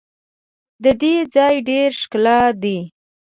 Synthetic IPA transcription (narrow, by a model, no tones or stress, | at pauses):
d̪əd̪ed͡zɑjɖeɾʃklɑd̪i